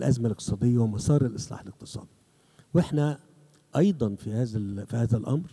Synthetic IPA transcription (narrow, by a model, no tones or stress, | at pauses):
lʔæzmalʔɪq̚t̪ɨ̥sˤɑːd̪ɪjːawɪmɑsˤɑːɾˤɪlʔɪsˤlɑ̰ːħɪlɪq̚t̪ɨ̥sˤɑ̰ːd̪i | wɪħnæ | ʔɑjd̪ˤɑnfihæːzæfihæːðælʔɑ̰mɾ